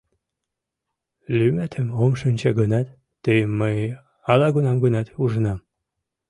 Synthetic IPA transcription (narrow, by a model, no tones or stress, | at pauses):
lymæt̪ʰəmomʃənʲt͡ɕɑɡənɑt̪ː | əjəmːəj | ɑlɑɡunɑmɡənɑt̪uʒənɑm